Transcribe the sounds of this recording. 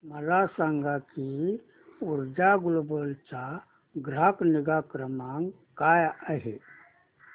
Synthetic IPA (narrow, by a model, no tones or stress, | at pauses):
məlasaŋɡaki | uɾd͡ʒaɡulbəlt͡ʃa | ɡɾakniɡakɾəmaŋ | kajəɦe